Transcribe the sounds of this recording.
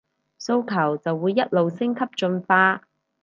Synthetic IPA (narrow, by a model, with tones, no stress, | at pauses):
so˧wkʰɐ˨˩wt͡sɐ˨wːuː˨˧jːɐ˦˥t̚lo˨wsɪ˥ŋkʰɐ˥p̚t͡ʃɵ˧nfaː˥